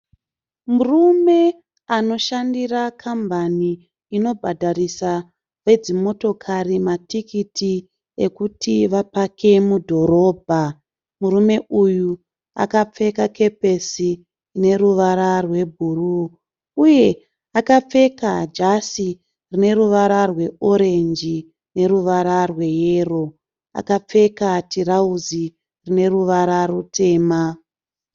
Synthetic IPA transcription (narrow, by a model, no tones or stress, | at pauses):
murume̞ | ano̞ʃandirakʰambʱaniː | no̞bʱadʱarisa | ʋe̞d͡zimo̞to̞kʰarimatʰikitʰi | e̞kutʰiʋapakʰe̞mudʱo̞ɾo̞ːbʱa | murume̞uju | a̰kap͡fe̞kakʰe̞pe̞si | ne̞ɾuʋaɾarwe̞bʱuruː | je̞ | akap͡fe̞kad͡ʒasi | rine̞ɾuʋaɾarwe̞o̞ɾe̞nd͡ʒi | ne̞ɾuʋaɾarwe̞jeːro̞ | a̰kap͡fe̞katʰiɾauzi | rine̞ruʋaɾarutʰe̞ːma